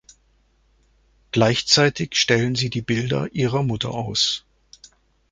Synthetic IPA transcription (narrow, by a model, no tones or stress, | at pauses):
ɡ̥laɪçt͡saɪtɪçʃtɛlənziːdiːbɪldɐ̰ʔiːʁɐmʊtʰɐ̰ʔaʊs